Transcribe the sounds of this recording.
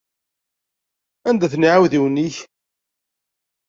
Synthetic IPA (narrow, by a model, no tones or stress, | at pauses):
ænd̪æθnʕawðiwnːiç